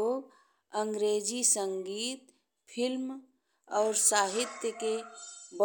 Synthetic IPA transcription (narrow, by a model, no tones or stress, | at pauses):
oːɡ | ə̃ŋɡɾeːd͡ʒisə̃ŋɡiːt̪ | pʰɪlm | ɔːɾsaːɦɪt̪jəkebə